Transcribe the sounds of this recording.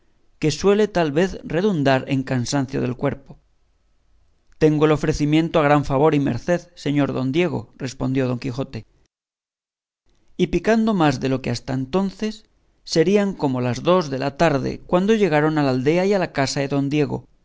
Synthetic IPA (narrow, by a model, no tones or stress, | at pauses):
ke̞swe̞le̞t̪alβe̞θre̞ðund̪aɾe̞̰ŋkansan̟θjo̞̰ð̞e̞̰lkwe̞ɾpo̞ | t̪e̞ŋɡoelo̞fɾe̞θimjẽ̞nt̪oaɣ̞ɾaɱfaβ̞o̞ɾime̞̰ɾθe̞ðse̞ɲo̞ɾðo̞̰nd̪je̞ɣ̞o̞̰re̞spo̞nd̪jo̞ð̞o̞ŋkixo̞t̪e̞ | ipikand̪o̞mazðe̞lo̞keast̪aent̪o̞nθe̞sː | e̞ɾiaŋko̞mo̞lazðo̞zðe̞lat̪aɾðḛkwand̪o̞ʝe̞ɣ̞aɾo̞nalald̪e̞aialakasaðe̞ðo̞nd̪je̞ɣo̞̰